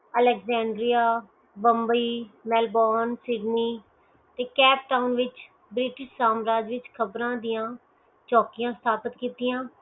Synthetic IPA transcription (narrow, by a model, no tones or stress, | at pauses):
əlɛːkzɛ̃ːɳɖɾijaː | bəmbəiːmɛːlbɔːnsɪɖniː | t̪eːkɛːp̚ʈaːʊnʋɪt͡ʃ | bɾɪʈɪʃsaːmɾaːd͡ʒʋɪt͡ʃkʰəbɾãːd̪ɪjãː | t͡ʃɔːkijãːst̪ʰaːpət̪kiːt̪ijãː